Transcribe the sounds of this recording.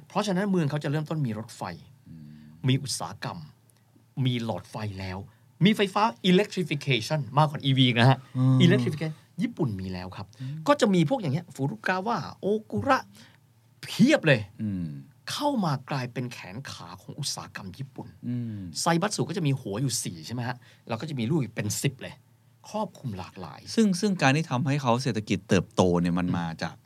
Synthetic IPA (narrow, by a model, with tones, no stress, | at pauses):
pʰɾɔ˦˥t͡ɕʰa˧na˦˥nmɯ˧əŋkʰa˦˥wt͡ɕa˨˩ɾɤ˥˩mt̪o˥˩nmiː˧ɾo˦˥t̪̚fa̰˧j | miː˧ʔu˨˩t̪̚sa̰ː˩˦ka̰˧m | miː˧lɔ̰ː˨˩t̪̚fa˧jlɛː˦˥w | miː˧fa˧jfaː˦˥ʔi˧le˦˥kt̪ʰɾi˦˥fi˧kʰeː˧t͡ɕʰa˥˩nmaː˥˩kːwɔː˨˩nʔiː˧wiː˧˨˩k̚na˦ɦa˦˥ʔiː˧le˦k̚t̪ʰɾi˧fi˧eː˧˥˩ | jiː˥˩pu˨˩nmiː˧lɛ̰ː˦˥wkʰa˦˥p̚kɔː˥˩t͡ɕa˨˩ʔmiː˧pʰu˥˩k̚jaː˨˩ni˦˥ɐfuː˨˦ɾu˦˥˩kaː˧waː˥˩ʔoː˧ku˧ɾa˦˥ʔ | pʰi˥˩əp̚lɤː˧jɯː˧ | kʰa˥˩wmaː˧klaː˧jpe˧nkʰɛː˩˦nkʰaː˩˦kʰɔː˩˦ŋʔu˨˩t̪̚sa̰ː˩˦˥ka˧mjiː˦˥˩pu˨˩nɯː˧sa˧jba˦t̪̚su˨˩kɔː˥˩t͡ɕa˨˩ʔmiː˧hu˩˦ɐjuː˨˩siː˨˩t͡ɕʰa˥˩jma˦˥jhʰa˦˥ | lɛː˦˧˥kɔː˥˩t͡ɕa˨˩miː˧luː˥˩k̚pe˧nsi˨˩p̚lɤː˧j | kʰɾɔː˥˩p̚kʰu˧mla̰ː˨˩k̚la̰ː˩˦jsɯ˥˩ŋsɯ˥˩ŋkaː˧nt̪ʰiː˥˩t̪ʰa˧mha˥˩jkʰa˦˥wse˨˩t̪ʰːa˧ki˨˩t̪ːɤː˨˩p̚t̪oː˧ni˥˩ma˧nmaː˧t͡ɕa̰ː˨˩k̚